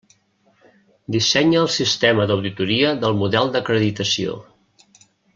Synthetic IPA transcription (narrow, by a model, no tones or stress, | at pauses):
d̪isɛɲəəlˠsist̪eməd̪əwðit̪uɾiəðəlˠmuðɛlˠd̪əkɾəðit̪əsio̰